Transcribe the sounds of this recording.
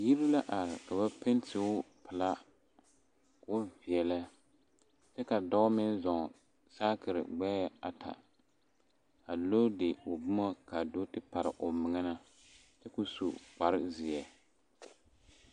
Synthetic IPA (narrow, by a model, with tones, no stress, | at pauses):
ji˦ɾi˦la˦ʔa˨ɾɪ˨ka˨ba˦pɪ˦n˦tɪ˨ʊ˦ | pɪ˨la˦ | kʊ˦vi˨ɛ˨la˦ | tɛ˦ka˨dɔ˦mɪ˦n˦zɔ˨ŋ˨ | saː˦kɪ˨ɾɪ̰˨ɡ͡bɛː˦a˨tʰa̰˨ | a˨lo˦de˨ʊ˨bʊ˦ma˦ka˨do˦tɪ˦pa˨ɾɪ̰˨ʔʊ˨mɪ˨ŋɛ˦na˦ | tɪ˦kʊ˦sṵ˨k͡pa˨ɾɪ˦zɪ˨ɛ˨